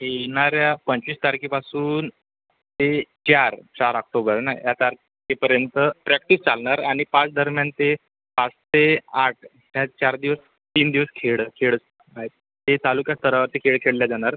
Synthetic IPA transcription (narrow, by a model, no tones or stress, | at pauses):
ɦeɭɳ̃aɾjapəɲt͡ɕiːst̪aɾkipasuːn | t̪et͡ɕaɾt͡ɕaɾək̚ʈobəɾna̰jat̪aɾ | kepəɾjənt̪əpɾɛk̚ʈist͡salɳaɾaɽ̃ipãt͡sd̪əɾmjant̪e | pat͡st̪eaʈ̚ʰ | ɦjat͡ɕaɾd̪iʋəs | t̪iːnd̪iʋəskʰeɭkʰeɭəs | aɦet̪̚ː | et̪alukjast̪ʰəɾaʋəɾt̪ekʰeɭkʰeɽljad͡zaɽ̃aɾ